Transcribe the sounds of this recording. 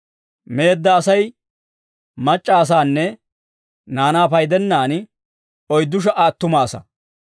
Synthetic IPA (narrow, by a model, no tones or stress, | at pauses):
me̞ːd̪ːɐːsɐj | mɐt͡ʃʼːaːs̬aːnːɛ | naːnaːpɐjd̪ɛnːaːn | ɔjd̪ːʊʃ̬ɐʔaːt̪ːʊmaːsɐ̰